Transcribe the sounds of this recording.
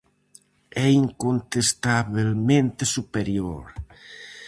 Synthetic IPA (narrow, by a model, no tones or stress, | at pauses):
ɛiŋkont̪est̪aβelmẽnt̪esupeɾjoɾ